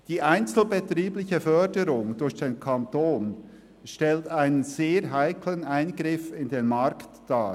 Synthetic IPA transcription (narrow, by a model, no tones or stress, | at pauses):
d̥iːʔaɪnt͡sl̩bɛtriːblɪçəfœɐdəɾʊŋd̥ʊɾçd̥enkʰantoːn | ʃtɛltaɪnənzeːɾɦaɪkʰlənaɪnɡɾɪfɪndenmaɾktd̥aː